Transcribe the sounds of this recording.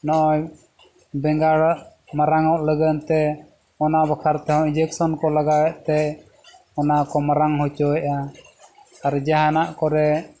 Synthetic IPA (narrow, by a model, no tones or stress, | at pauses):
nɔʔɔj | bɛŋɡaɽʔmaɾaŋɔʔləɡənt̪ɛ | ɔnabakʰaɾt̪ɛɦɔ̃ind͡ʒɛksɔnkɔlaɡawɛʔt̪ɛ | ɔnakɔmaɾaŋɦɔt͡ʃɔjʔa | aɾd͡ʒaɦanaʔkɔɾɛ